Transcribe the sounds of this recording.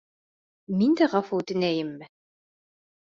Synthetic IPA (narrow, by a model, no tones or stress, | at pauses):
mind̪æʁɑfɤt̪ɘ̆næjɘmːɘ